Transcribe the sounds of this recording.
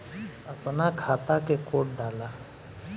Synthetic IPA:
ɐpnakʰaːt̪akeqoːʈ̚ɖaːlaː

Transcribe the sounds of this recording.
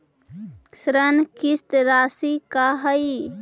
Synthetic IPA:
sɾənkist̪ɾaːsikaɦəi

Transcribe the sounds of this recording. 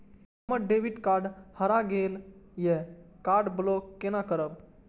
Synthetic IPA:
məɖeʋiʈkaːɾɖhəɾaɡeːljekaːɾɖblokːenakəɾəb̚

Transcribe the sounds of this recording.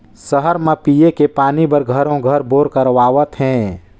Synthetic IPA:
səɦəɾmẽpijekepaːnibəɾɡʱəɾõɡʱəɾboːɾkəɾʋaːʋət̪ɦɛ̃ː

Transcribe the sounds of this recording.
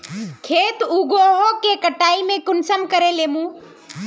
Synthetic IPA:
kʰeːt̪uːɡoːɦokekəʈaːimẽkʊnsəmkəɾeleːmũː

